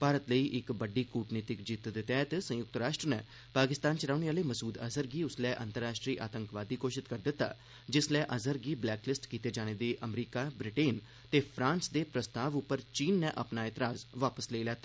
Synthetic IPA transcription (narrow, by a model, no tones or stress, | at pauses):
paːɾət̪ləiːʔɪkbəɖiːkuːʈniːt̪ɪkd͡ʒiːt̪d̪et̪ɛːt̪sə̃jʊk̚t̪ɾaːʃʈɾənɛː | paːkɪst̪ãːnt͡ʃəɾaːʊneːaːleːməsuːd̪əzəɾɡiːʊslɛːʔənt̪əɾːaːʃʈɾiːʔa̰ːt̪əŋkʋaːd̪iːkoːʃɪt̪kəɾd̪ɪt̪ːa̰ː | d͡ʒɪslɛːʔəzəɾɡiːblɛːklɪsʈkiːt̪eːd͡ʒaːɽ̃eːd̪eːʔəmɾiːkaːbɾɪʈeːn | t̪eːpʰɾãːnsd̪eːpɾəst̪aːʋʊpːəɾt͡ʃiːnːɛ̃ːʔəpnaːɪːt̪ɪɾaːzʋaːpəsleːlɛːt̪aː